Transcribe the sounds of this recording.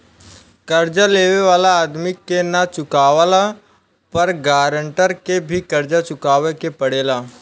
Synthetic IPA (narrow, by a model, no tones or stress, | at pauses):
kɐɾd͡ʒaleːʋeʋaːlaaːd̪mikːenat͡ʃʊkaːʋala | pɐɾɡaːɾəɳʈəɾkebʱikɐɾd͡ʒat͡ʃʊkaːʋekepɐɽeːlaː